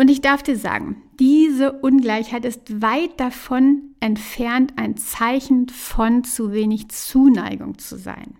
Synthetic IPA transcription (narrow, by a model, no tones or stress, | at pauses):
ʔʊntɪçd̥aɐfd̥iːɐza̰ːɡŋ̩d̥iːzəʔʊnɡlaɪçhaɪtɪstv̥aɪt̚d̥afɔnʔɛntfɛɐntʔaɪnt͡saɪçn̩fɔnt͡suveːnɪçt͡suːna̰ɪɡʊ̰ŋt͡sṵza̰ɪn